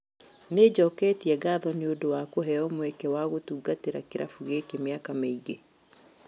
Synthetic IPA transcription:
ned͡ʑɔkɛːtiɛɡaːðɔneodowakoɦɛɔmwɛkɛwaɣotuːɡateɾakeɾafuɣekemeakameiɣe

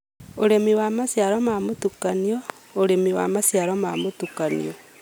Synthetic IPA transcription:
oɾemiwamasjaɾomamotukaniɔ | oɾemiwa̰masjaɾomamotukanḭɔ

